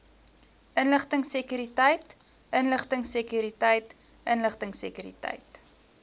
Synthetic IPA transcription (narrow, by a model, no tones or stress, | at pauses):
ʔənləχtəŋsəkyɾitəjt | ʔənləχtəŋsəkyɾitəjt | ʔənləχtəŋsə̰kyɾḭtɐ̰jt